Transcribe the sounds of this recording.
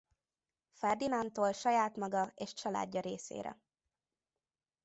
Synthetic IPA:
fɛrd̪inɒnt̪oːlʃɒjaːt̪mɒɡɒeːʃt͡ʃɒla̰ːɟːɒɾeːsḛːɾɛ̰

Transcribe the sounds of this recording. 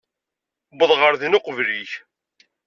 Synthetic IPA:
bəðˤʁəɾðinʊqvliç

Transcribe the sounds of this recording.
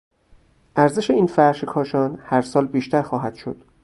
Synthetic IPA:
ʔæɾze̞ʃe̞iːnfæɾʃekʰɒːʃɒːnhæɾsɒːlbiːʃt̪æɾxɒːɦæd̪̥ʃod̪̥

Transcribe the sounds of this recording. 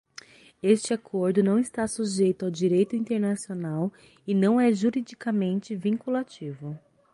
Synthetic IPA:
est͡ʃɪakʰoɾd̪ʊnɐ̃w̃ɪst̪asuʒejt̪ʊawd͡ʒiɾejt̪ʊĩnt̪eɾnasionaw | ɪnɐ̃w̃ɛʒuɾid͡ʒikamẽnt͡ʃɪvĩŋkulat͡ʃivʊ

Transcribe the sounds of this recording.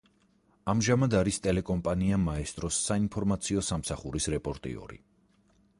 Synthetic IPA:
amʒamad̪aɾist̪ʼɛlɛkʼɔmpʼaniamaɛst̪ʼɾɔsːainpʰɔɾmat̪sʰiɔsamsaχuɾisɾɛpʼɔɾt̪ʼḭɔ̰ɾḭ

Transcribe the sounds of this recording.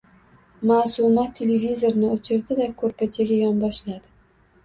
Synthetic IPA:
maːsumat̪ʰːelevʲizoɾnɪot͡ʃʰɪɾd̪ɪd̪akʰɵɾpʰat͡ʃʰaɡʲajɒnbɒʃlad̪ɪ

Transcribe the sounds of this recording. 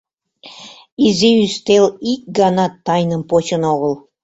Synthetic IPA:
izeyst̪elik̚ʲɡɑnɑt̪ːɑjnəmpot͡ɕənoɣəlˠ

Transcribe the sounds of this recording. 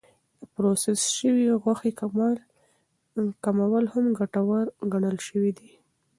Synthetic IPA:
d̪əpɾosɪsʃəwiɣwaxe | kamawəlhamɡaʈawaɾɡaɳəlʃəwid̪i

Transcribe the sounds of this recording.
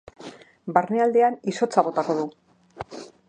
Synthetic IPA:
baɾneald̪e̞aniso̞t͡saβ̞o̞t̪ako̞ð̞u

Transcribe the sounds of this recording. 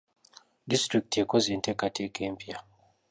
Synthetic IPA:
distɾik̚tekozintekatʰekempia

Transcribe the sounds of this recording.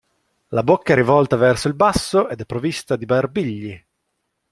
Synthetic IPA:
labokːaɛɾivɔlt̪avɛrsoilbasːoʔed̪ɛpːɾovist̪ad̪ibarbiʎːi

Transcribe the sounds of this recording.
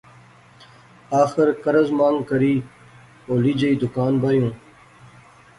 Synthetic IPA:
aːxɪɾkɐɾɐzmaːŋɡkɐɾiː | oːlid͡ʑɐid̪ʊkaːnbajũː

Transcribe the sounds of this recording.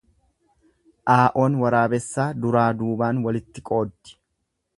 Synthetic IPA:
ʔaːʔo̞ːnwɐɾaːbɛsːaːd̪ʊɾaːd̪uːbaːnwɐlɪt̪ːɪkʼo̞ːd̪ːɪ̥

